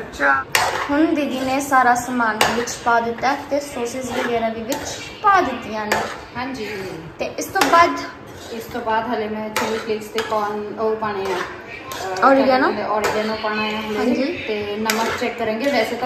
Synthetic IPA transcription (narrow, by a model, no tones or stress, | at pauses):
ʃʰahʊnd̪id̪iːneːsaːɾaːsəmaːnd̪iːʋɪt͡ʃpaːd̪ɪt̪ːaːt̪eːsoːɾsɪsʋəɡɛːɾãːd̪iːʋɪt͡ʃ | paːd̪ɪt̪ːijãːnẽː | ɦãːɲd͡ʒiːɦt̪eːʔɪst̪õːbaːd̪ | ɪst̪õːbaːd̪ɦəleːmɛ̃ːt͡ʃʰəliːplɪkst̪eːkɔːnəupaːɽ̃eːãː | ɔːɾiɡãːnãːeːʔɔːɾiːɡãːnõːpaːɽ̃eːãːɦəlãːɲd͡ʒiːt̪eːnəməɾt͡ʃɛːkːəɾɛ̃ːŋɡeːʋɛːseːt̪ː